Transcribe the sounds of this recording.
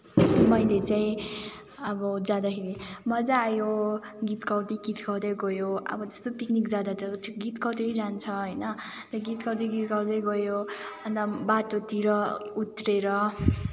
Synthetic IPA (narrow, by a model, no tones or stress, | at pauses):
mʌjlet͡saĩ | ʌbʌd͡zad̪akʰeɾimʌd͡zaːjoɡit̪kawt̪iɡit̪kʰawd̪ʌjɡʌjoʌ̰bʌd͡zʌ̥st̪opiknikd͡zad̪at̪ʌtʰikɡit̪kʌwt̪iɾid͡zant͡sʰʌɦʌjnʌ | t̪ɡit̪kʌwt̪iɡit̪kawd̪ʌjɡʌjoʌnt̪abaʈot̪iɾʌut̪reɾʌ